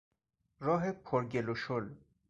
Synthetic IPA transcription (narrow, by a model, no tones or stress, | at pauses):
ɾɔːɦepʰoɾɡeloʃol